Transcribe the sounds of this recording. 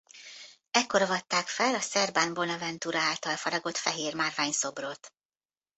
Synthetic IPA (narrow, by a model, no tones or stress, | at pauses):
ɛkːo̞ɾovɒt̪ːaːkfɛlɒsɛrbaːnbo̞nɒvɛnt̪uɾɒaːlt̪ɒlfɒɾɒɡo̞t̪fɛɦeːrmaːrvaːɲso̞brot̪